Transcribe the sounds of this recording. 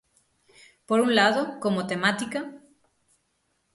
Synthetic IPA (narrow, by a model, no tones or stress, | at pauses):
poɾuŋlaðokomot̪emat̪ika